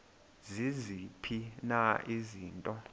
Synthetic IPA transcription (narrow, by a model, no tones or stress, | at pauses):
zizipʰinaʔiziːntʼɔ